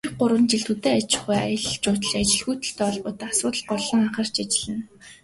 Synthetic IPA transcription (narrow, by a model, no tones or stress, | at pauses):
χɢʊɾwə̆nt͡ɕiɮt̪ut̪eːat͡ɕɪ̥̆χuja̰jə̆ɮt͡ɕʊːt̪ə̆ɮat͡ɕɪ̆ɮxuːt̪ə̆ɬt̪ɔːɔɮpʊːt̪asʊːt̪ə̆ɮɢɔɮɞ̆ŋaχə̆r̥t͡ɕat͡ɕɪ̆ɮɘ̆n